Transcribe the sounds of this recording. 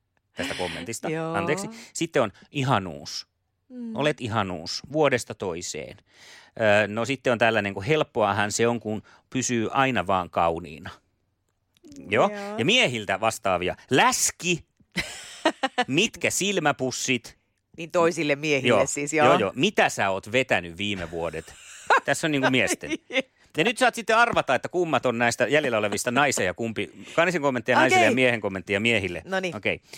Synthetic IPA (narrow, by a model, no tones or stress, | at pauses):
t̪æst̪ækomːḛnt̪ist̪ɑɑnt̪eːksisit̪ːeonʔiɦɑnṵːs | ʔo̰let̪ihɑnṵːsʋuodest̪ɑt̪oisḛːn | əːnosit̪ːeont̪ælːæneŋkuhelpːoɑhɑnseoŋkun | pysyːʔɑinɑʋɑːŋkɑunḭːnɑ | joːjɑmiehilt̪æʋɑst̪ɑːʋiɑ̰læski | mit̪kæsilmæpusːit̪ | niːnt̪oisilːemmiehijo̰ːessisjojoːjo̰ːmit̪æsæːoːt̪ʋet̪ænyʋʋiːmeʋuodet̪t̪æsːonniŋkumiɛst̪ḛ | jɑnyt̪sɑːt̪sit̪ːeɑrʋɑt̪ɑːet̪ːækumːɑt̪onnæist̪æjæljelːæoleʋist̪ɑnɑisejɑkumpikɑniseŋkomːent̪ːijɑnɑisilːejɑmieheŋkomːent̪ːijɑmiehilːḛnoniokei